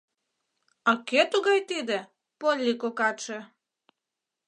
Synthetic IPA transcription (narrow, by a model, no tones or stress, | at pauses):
ɑket̪uɣɑjt̪id̪e | polʲːikokɑt͡ʃe